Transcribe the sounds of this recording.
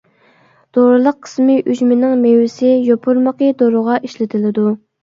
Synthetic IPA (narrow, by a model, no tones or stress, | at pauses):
d̪̥oɾɨlˠəqʰːə̥smɪʔyd͡ʒmɪnɪŋmewɪsɪjopʰuɾmɑqəd̪oɾʊʁɑʔiʃlɪt̪ʰɪlɪd̪u